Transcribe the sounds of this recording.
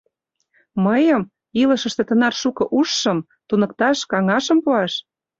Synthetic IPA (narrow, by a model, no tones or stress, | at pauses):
məjəm | ilə̆ʃə̆ʃt̪ĕt̪ənɑrʃukɤ̆ʔuʃːɤ̆m | t̪unɤ̆kt̪ɑʃkɑŋɑʃə̆mpuɑʃ